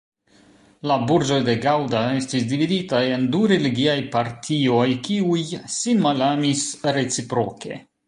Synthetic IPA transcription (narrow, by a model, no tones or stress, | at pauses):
labuɾd͡ʒode̞ɡawdae̞stisdividitae̞nduɾe̞liɡiajpaɾtʰio̞jkiujsinmalamisɾe̞t͡sipɾo̞ke̞̰